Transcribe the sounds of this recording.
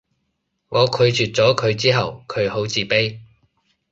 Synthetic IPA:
ŋɔː˨˧kʰɵ˨˧ɥt͡ʃyː˨t̚t͡sɔː˨˥kʰɵ˨˧ɥt͡siː˥ɦɐ˨wkʰɵ˨˧ɥho˨˥wt͡siː˨˩pe˥j

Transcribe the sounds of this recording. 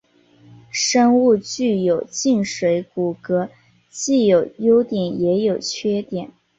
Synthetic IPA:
ʂɤ˥ŋu˥˧t͡ɕy˥˩jo˨˩ʊt͡ɕi˥˩nʂwe˧˥ɪku˨˩kɤ˧˥ | t͡ɕi˥˩jo˨˩ʊjo˥ʊt̪jɛ˨˩˦njɛ˧˥jo˨˩ʊt͡ɕʰɥɛ˥t̪jɛ˨˩˦n

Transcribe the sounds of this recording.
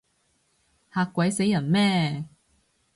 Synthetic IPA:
haː˧kʷːwɐ˨˥jse˨˥jɐ˨˩nmɛː˥˩

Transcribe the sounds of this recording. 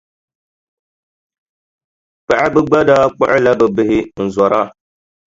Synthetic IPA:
pa˨ʔa˦bɨ˦ɡ͡ba˦daː˦k͡pʊ̰˦ʔɪ˦la˦bɛ˨bɪ˦hɪ˦n̩˨zɔ˨ɾa˦

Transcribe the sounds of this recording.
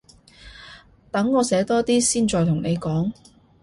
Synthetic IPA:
t̪ɐ˨˥ŋːɔː˨˧sɛː˨˥t̪ɔː˥t̪iː˥siː˥nt͡sɔː˧jt̪ʰʊ˨˩ŋne˨˧jkɔː˨˥ŋ

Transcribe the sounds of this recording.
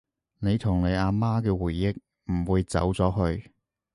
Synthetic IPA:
ne˨˧jt̪ʰʊ˨˩ŋne˨˧jaː˧maː˥kɛː˧wuː˨˩jːɪ˥k̚ | m̩˨˩wuː˨˧jt͡sɐ̰˨˥wt͡sɔː˨˥ɦɵ˧ɥ

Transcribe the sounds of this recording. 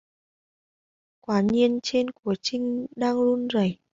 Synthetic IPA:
kwaː˨˦ɲi˧ənt͡ɕe˧nku˧˩ət͡ɕï˧ŋ̟ɗaː˧ŋlu˧nzə˨˩j

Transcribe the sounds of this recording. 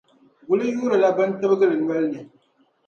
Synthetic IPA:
ɡʷʊ˦li˦juː˦ɾa˨la˦bɐ˦ntɐ˦bɡɨ˦ɾi˨n˦ɐ˦lne˨

